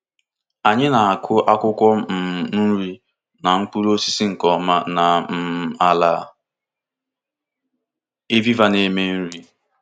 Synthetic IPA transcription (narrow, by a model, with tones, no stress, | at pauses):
a˨ɲɪ˦na˨a˨kʰʊ˦ʔa˦kʷʊ˦kʷɔ˦m̩˨n̩˦ɾi˦ | na˨ŋ̩˦k͡pu˦lo˦si̥˦si˦ŋ̩˨kɔ˨ma˦˨na˨m̩˦˨a˨la˨ | e˦vi˦va˦ne˨me˦n̩˦ɾi˦